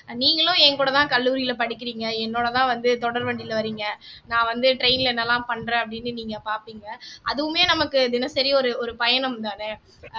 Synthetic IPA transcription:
niːŋɡɐɭʊ̃ɛŋkuːɽɐt̪ãːkɐlːuːɾɪjɪlpɐɽɪkːɪɾiːŋɡɐɛnːoːɽɐt̪ãːʋɐnd̪ɯt̪ɔɽɐɾʋɐɳɖɪlʋɐɾiːŋɡɐnãːʋɐnd̪ɯʈɾeɪnɪlɛnːɐlãːpɐɳːɾẽːɐpːɐɽɪnːɯniːŋɡɐpaːɾpiːŋɡɐʔɐðɯʋɯmeːnɐmɐkːɯd̪ɪnɐsɐɾiɔɾɯɔɾɯpɐjɐɳɐmt̪aːnɛ

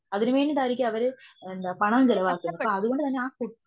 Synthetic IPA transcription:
ɐðinɨʋeːnːiʈ̪aːiɾikʲːɐʋɐɾɨend̪aːpɐɳɐmmd͡ʑɛlɐʋaːkːunːɐpːoɐðuɣo̞ɳɖɨt̪ɐnːeaːkuɽt̪ː

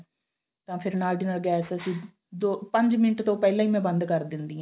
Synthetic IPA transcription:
t̪ãːpʰɪɾnaːlɖɪnəːlɡɛːsəsĩː | d̪oːpə̃ɲd͡ʒmɪnʈt̪õːpɛːlãːiːmɛ̃ːbə̃nd̪kəɾd̪ɪnd̪iːãː

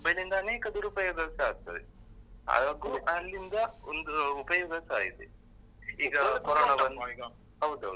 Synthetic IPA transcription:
bɐlːind̪ɐːneːkɐd̪uɾuːpɐːjɐd̪ɐɾsaːɡ̚t̪ɐde | ɦa̰ːɡaːɡuʔɐlːind̪ɐond̪uupɐjɐd̪ɐɾsaːɡit̪e | iːɡɐkɔɾoːɳɐɐnː | ɦɐwd̪ɦɐ̰wd̪u

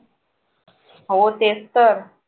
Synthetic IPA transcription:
ɦot̪est̪əɾ

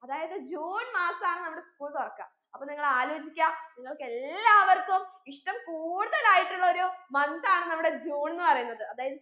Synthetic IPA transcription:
ɐðaːjɐðɨd͡ʑuːɳmaːsaːɳɨnɐmːuɽeskuːɭt̪orɐkːa̰ːm | ɐpːoːniŋːɐɭaːlo̞ːd͡ʑikʲːaːniŋːɐɭke̞lːaːʋɐɾt̪ːumiʂʈɐmkuːɽuðɐlaːjiʈːuɭːɐo̞ɾumɐnd̪aːɳɨnɐmːuɽe̞d͡ʑuːɳnːɨpɐrɐjunːɐðɨɐðaːjɐðɨ

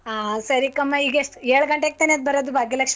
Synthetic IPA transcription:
aːsɐɾikɐmːɐiːɡeʂʈeːɭɡɐɳʈek̚t̪ɐned̪̚bʱɐɾod̪ubʱaːɡjɐlɐkʂ

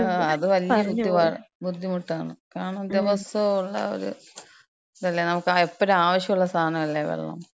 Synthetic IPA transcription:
ɐðɨʋɐlijjɐbud̪ːiʋabud̪ʱːimuʈːaːɳɨkaːɐɳɐmd̪jɐʋɐsɐuɭːɐ̰o̰ɾṵ | ðɐlːjenɐmukːɨepːoɾuaːʋɐɕjɐmuɭːɐst̪ʰaːnɐmɐlːejʋḛɭːɐ̰m

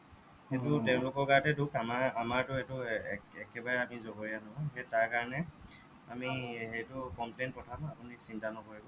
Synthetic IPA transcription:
hetʊtɛʊ̃lʊkɔɹɡatɛdukamaamaɹtʊetʊɛkɛbaɹɛamizoboɹianɔɔɦetaɹkaɹɔnɛ | amiɦejtʊkɔmplejntpɔtʰamapʊnisintanɔkoɹibɔ

